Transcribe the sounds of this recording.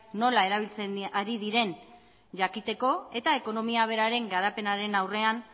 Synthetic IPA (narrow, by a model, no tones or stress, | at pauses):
no̞lae̞ɾaβ̞ilt͡seaɾiðiɾe̞n | ʝakit̪e̞ko̞e̞t̪ae̞ko̞no̞miaβ̞e̞ɾaɾe̞ŋɡaɾape̞naɾe̞nawre̞an